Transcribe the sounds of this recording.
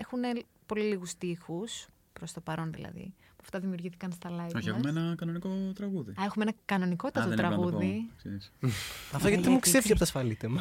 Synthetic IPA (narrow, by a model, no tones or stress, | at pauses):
e̞xune | po̞liliɣust̪ixus | pɾost̪o̞pɐɾo̞nðḭlɐ̰ðḭ | puɐft̪ɐðimiuɾʝiθi̥kɐnst̪ɐlɐoçieumeenɐkɐno̞niko̞t̪ɾɐɣuðḭɐe̞xumeenɐkɐno̞niko̞t̪t̪ɐt̪ot̪ɾɐɣuðisesɐft̪oɐt̪it̪imukst̪efis̬eɐpot̪ɐsfɐlit̪emɐ